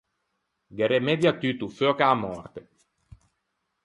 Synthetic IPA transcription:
ɡeɾemedjat̪yt̪ufokaːmɔrt̪e

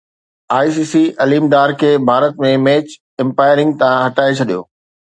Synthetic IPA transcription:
aːis̬iːsiɐliːmɖaːɾkʰeːbʱaːɾət̪̚mẽmɛːt͡ɕ | ɪ̃mpaːɪɾɪ̃ŋɡ̚t̪aãɦɐʈaːet͡ɕʰɐɗijo̰ː

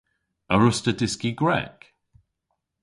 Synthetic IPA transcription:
əɹʊstədɪskiɡɹɛ̰k

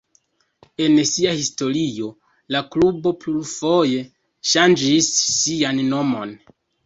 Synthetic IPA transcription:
e̞nsiahisto̞ɾio̞ | laklubo̞plufo̞je̞ | ʃand͡ʒisːianːo̞mo̞n

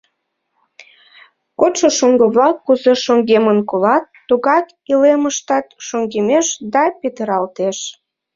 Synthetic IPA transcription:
kot̪ʃoʃoŋɡəβlɑkːuzeʃoŋɡemənkolɑt̪ːuɣɑt̪ | ileməʃt̪ɑt̪ʃoŋɡemeʃd̪ɑpet̪əɾɑlt̪eʃ

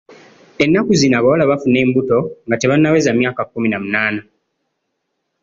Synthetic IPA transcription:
e̞nːakuzinaβawolaβafune̞ːmbuto̞ŋɡateβanːawe̞zamjaːkakːuminamunaːna

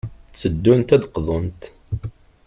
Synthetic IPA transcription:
t͡sːəd̪ːunt̪æd̪qðˤont̪

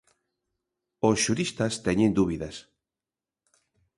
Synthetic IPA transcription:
osʃuɾist̪ɐst̪ɛɲend̪uβiðɐs

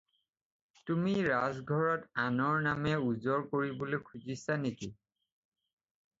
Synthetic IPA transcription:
tumiɹazɡʱɔɹɔtanɔɹnamɛuzɔɹkoɹibolojkʰuzisaneki

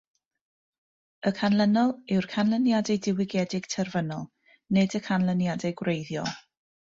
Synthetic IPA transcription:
əkʰanlˠənɔlˠɪwrkʰanlˠənjadɛdɪwɪɡjɛdɪɡ̥tʰərvənɔlˠ | nɨdəkʰanlˠənjadɛɡwrejðjɔ̰

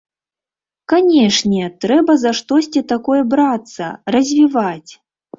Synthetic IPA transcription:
kanʲɛʂnʲɛt̪ɾɛbɐzaʂt̪ɔsʲt͡sʲit̪akɔjɛbɾat̪sːɐ̰rɐzʲvʲivat͡sʲ

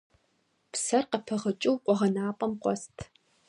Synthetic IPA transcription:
psɐrqɐpʰɐʁɐt͡ʃʼɪwqʷɔʁɐnaːpʼɐmqʷʼɔstʰ

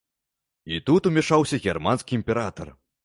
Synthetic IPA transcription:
it̪ut̪umʲɛʂawsʲɐɣʲɛrmanskʲiimʲpʲɛɾat̪ɐ̰r

